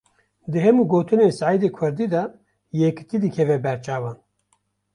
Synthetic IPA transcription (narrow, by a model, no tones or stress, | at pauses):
d̪ɨɦɛmuːɡoːt̪ɨneːsaʕid̪eːkʰʊɾd̪iːd̪ɑ | jɛkɨ̥t̪iːd̪ɨkʰɛvɛbɛɾt͡ʃʰɑːvɑːn